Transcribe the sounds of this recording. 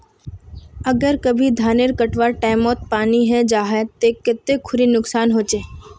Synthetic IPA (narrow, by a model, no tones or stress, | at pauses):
əɡəɾkəbʱid̪ʱaːneɾkəʈʋaʈaːɪmɔːt̪̚paːniɦɛd͡ʒaːɦɛt̪ekɪt̪ːekʰʊɾinʊksaːnɦoːt͡ʃeː